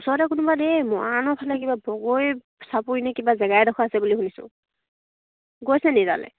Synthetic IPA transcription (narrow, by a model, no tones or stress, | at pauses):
usɔɹɾɛkʊnubademɔanɔpʰalɛkibabɔɡoj | sapuinɛkibazɛɡajdɔkʰaːsɛbuliɦunisʊ̰̃ | ɡojsɛniza̰lɛ̰